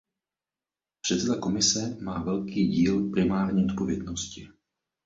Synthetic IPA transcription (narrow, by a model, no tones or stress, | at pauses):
pr̥ɛt̪sɛd̪ako̞mɪsɛmaːvɛlkiːɟiːlpɾɪmaːɾɲɛot̪po̞vjɛdnoscɪ